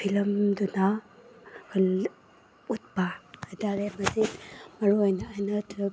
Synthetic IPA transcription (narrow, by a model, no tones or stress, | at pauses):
pʰilɐmduna | l | ut̚badalemɐzit̚mɐɾojnɐːjnɐtʰu